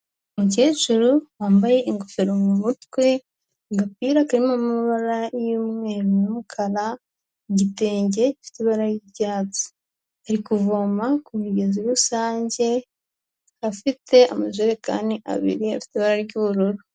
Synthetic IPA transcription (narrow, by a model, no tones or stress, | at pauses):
muce̞ːʒuɾuwaːmbaje̞ʔiŋɡofeɾomumutwe | ɡapiːɾakaɾimamiβaɾajumŋe̞ːɾonumukʰaɾa | ɟite̞ːɲɟe̞fi̥tiβaɾaɾjiɾɟaːto̥ | aɾikuvo̞makumiɡe̞ziɾusaːɲɟe̞ | afitʰe̞a̰maʒuɾeka̰ːndiʔa̰βḭɾiafi̥tiβaɾaɾɟuβuɾuɾu